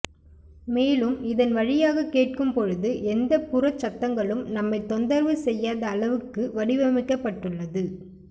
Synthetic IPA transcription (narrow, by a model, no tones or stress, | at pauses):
meːlɯmɪðɐnʋɐɻɪjaːɣɐkːeːʈ̚kɯmpɔɻɯðɯʔɛnd̪ɐpʊrɐt͡ʃːɐt̪ːɐŋɡɐɭɯmnɐmːɐɪt̪ːɔnd̪ɐɾʋɯsɛjːaːðɐːɭɐʋɯkːɯʋɐɽɪʋɐmɪkːɐpːɐʈːɯɭːɐðɯ